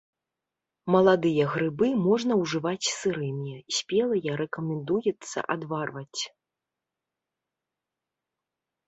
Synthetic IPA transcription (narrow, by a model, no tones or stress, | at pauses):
mɐlˠad̪ɨjɐɣɾɨbɨmɔʐnɐwʐɨvat͡sʲsɨɾɨmʲɛsʲpʲɛlˠɐjɐɾɛkɐmʲɛnd̪ujɛt̪sːɐ̰ʔad̪varvɐt͡sʲ